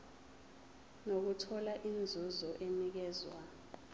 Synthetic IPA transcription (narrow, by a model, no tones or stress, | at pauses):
nok̬utʰɔlaʔind͡zʱuzɔʔenik̬ɛːzwa